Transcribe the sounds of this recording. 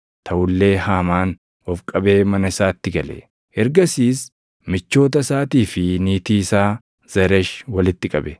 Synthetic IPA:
t̪ʰɐʔʊlːe̞ːhaːmaːn | ɔfkʼɐbe̞ːmɐnɐɪsaːt̪ːɪɡɐlɛ̰ | ʔɛɾɡɐsiːs | mɪt͡ʃːo̞ːt̪ɐsaːt̪iːfɪniːt̪iːsaː | z̥ɐɾɛʃwɐlɪt̪ːɪkʼɐbɛ

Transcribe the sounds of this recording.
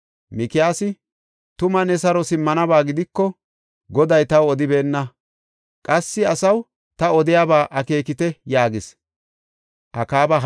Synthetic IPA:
mɪkɪjaːsɪ | t̪ʊmɐnɛsɐɾɔsɪmːɐnɐbaːɡɪd̪ɪkːɔ | ɡɔd̪ɐjt̪ɐwɔd̪ɪbe̞ːnːɐ | kʼɐsːɪɐsɐw | t̪ɐɔd̪ɪjaːbaːʔɐke̞ːkɪt̪ɛjaːɡɪs | ʔɐkaːbɐ

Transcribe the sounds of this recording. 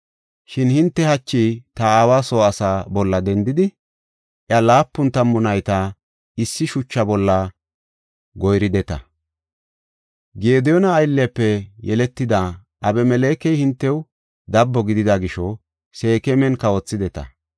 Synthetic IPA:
ʃɪnhɪnt̪ːɛhɐt͡ʃːit̪ɐaːwaːsoːɐsaːbɔlːɐd̪ɛnd̪ɪd̪ɪ | ʔjɐlaːpːʊnt̪ɐmːʊnɐjt̪ɐ | ɪsːɪʃʊt͡ʃːɐbɔlːɐ | ɡɔjɾɪd̪ɛt̪ɐ̰ | ɡe̞ːd̪ɛjɔnɐːjlːɛpːɛjɛlɛt̪ːɪd̪ɐ | ʔɐbɛmɛle̞ːkɛjhɪnt̪ːɛw | d̪ɐbːɔɡɪd̪ɪd̪ɐɡɪʃɔ | se̞ːkɛmɛnkɐwɔt͡sːɪd̪ɛt̪ɐ̰

